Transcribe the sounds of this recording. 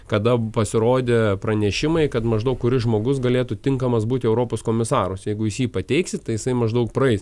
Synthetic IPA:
kɐd̪ɐpɐsʲɪɾoːd̪ʲeːpɾɐnʲɛʃʲɪmɐɪkɐt̪mɐʒd̪ɐʊkkːʊɾʲɪʒmoːɡʊsɡɐlʲeːt̪ut̪ʲɪŋkɐmɐsbuːt̪ʲɪɛʊɾoːpoːskoːmʲɪsɑːɾʊsjɛɪɡʊjɪsjiːpɐt̪ʲɛɪksʲɪt̪t̪ɐɪjɪsɐɪmɐʒd̪ɐʊkpɾɐɛɪs

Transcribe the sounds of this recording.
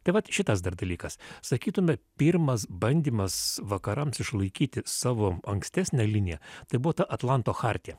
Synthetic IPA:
t̪ɐɪʋɐt̪ʃʲɪt̪ɐsd̪ɐrd̪ɐlʲiːkɐssɐkʲiːt̪ʊmʲɛpʲiɾmɐsbɐnʲd̪ʲiːmɐsʋɐkɐɾɐmsɪʃlˠɐɪkʲiːt̪ʲɪsɑːʋoːɐŋksʲt̪ʲæːsʲnʲɛlʲɪnʲɪjɛt̪ɐɪbʊʋoːt̪ɐʔɐt̪lˠɐnt̪oːxɑɾʲt̪ʲijɛ

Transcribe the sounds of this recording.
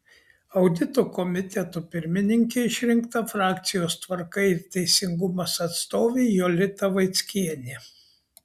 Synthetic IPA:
ɐʊd̪ʲɪt̪oːkɔmʲɪt̪ʲɛt̪opʲɪɾʲmʲɪnʲɪŋʲkʲeɪʃʲɾʲɪŋkt̪ɐfɾɑːkt̪sʲɪjoːst̪ʋɐɾkɐɪɪɾt̪ʲɛɪsʲɪŋɡʊmɐsɐt̪st̪oːʋʲeɪjolʲɪt̪ɐʋɐɪt̪sʲkʲiɛnʲe

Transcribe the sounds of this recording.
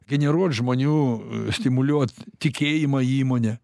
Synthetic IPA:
ɡʲɛnʲɛɾuɔt̪ʒmoːnʲuːsʲt̪ʲɪmʊlʲuɔt̪t̪ʲɪkʲeːjɪmɐiːmoːnʲɛ

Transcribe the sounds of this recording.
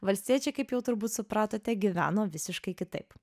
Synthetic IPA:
ʋɐlʲsʲt̪ʲiɛt͡ʃʲɛkɐɪpjɛʊt̪ʊɾbuːt̪sʊpɾɑːt̪oːt̪ʲɛɡʲɪʋʲæ̰ːnoːʋʲɪsʲɪʃkɐɪkʲɪt̪ɐɪp

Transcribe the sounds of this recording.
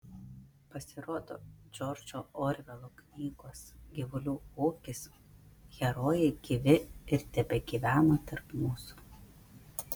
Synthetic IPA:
pɐsʲɪɾoːd̪o̰ːd͡ʒʲɔːɾʲd͡ʒʲoːoːɾʲʋʲɛlˠoːknʲiːɡoːsɡʲɪʋʊlʲuːoːkʲɪs | ɣʲɛɾoːjɛɪɡ̥ʲiʋʲɪɪɾt̪ʲɛbʲɛɡʲiʋʲæːnoːt̪ɐɾpmuːsu̥

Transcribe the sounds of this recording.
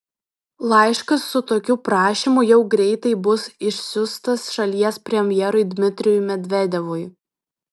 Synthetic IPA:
lˠɑˑɪʃkɐsːʊt̪oːkʲuːpɾɑːʃʲiˑmujɛʊɡɾʲɛɪt̪ɐɪbʊsɪʃʲsʲʊst̪ɐsʃɐlʲiɛspʲɾʲɛmʲjɛɾʊɪd̪ʲmʲɪt̪ʲɾʲɪjʊjmʲɛd̪ʲʋʲɛd̪ʲɛʋʊj

